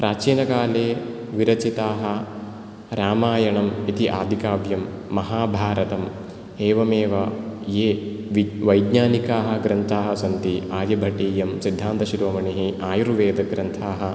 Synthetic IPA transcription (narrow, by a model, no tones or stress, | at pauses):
pɾaːt͡ʃiːnɐkaːleː | ʋiɾɐt͡ʃit̪aːɦɐ̆ | ɾaːmaːjɐɳɐmit̪iʔaːd̪ʱikaːbʱjɐmː | ɐɦaːbʱaːɾɐt̪ɐm | eːʋɐmeːʋɐjeː | ʋiʋɐjd̪ɲaːnikaːɦɐ̆ɡɾɐnt̪ʰaːɦɐsɐnt̪iaːjɐbʱɐʈiːjɐmsid̪ʱːaːnt̪ɐʃiɾoːmɐɳiɦiʔaːjuɾʋeːd̪ɐɡɾɐnt̪ʰaːɦɐ